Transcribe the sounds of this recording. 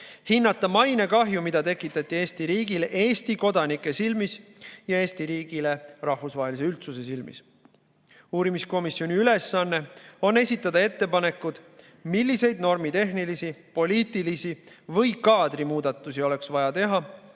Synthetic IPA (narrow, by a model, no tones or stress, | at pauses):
hinːɑt̪ːˑɑmɑjnekɑɦjumid̪ɑt̪e̞kːˑit̪ːˑɑt̪ˑːie̞ːst̪iɾiːɡ̥ilʔe̞ːst̪iko̞d̪ɑnikːˑe̞silmisjɑe̞ːst̪iɾiːɡ̥ile̞rɑhvusvɑːɦelis̬e̞ylt̪suse̞silmḭs | uːɾimisko̞misjo̞niyle̞sːɑnːe̞o̞nːe̞sʲit̪ːˑɑd̪ɑe̞t̪ːe̞pɑne̞kːud̪̥ | milːise̞jd̪̚no̞rmit̪e̞ɦnilisipo̞liːt̪ˑilisi | vɤjkɑːd̪̥rimuːd̪ɑt̪ːˑusio̞le̞ksvɑjɑt̪e̞ɦɑ